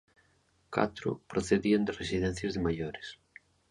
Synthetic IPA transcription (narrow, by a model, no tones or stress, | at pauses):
ka̰t̪ɾʊ̰pɾoθeðiand̪ɪresiðɛn̟θjɐzðemajoɾɪs